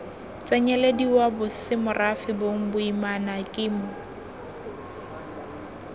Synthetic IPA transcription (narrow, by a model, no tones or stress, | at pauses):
t͡sʼɛɲɛlediwabʊsɪmʊrʔafɪboŋ̩bʊimanakʼɪːmʊ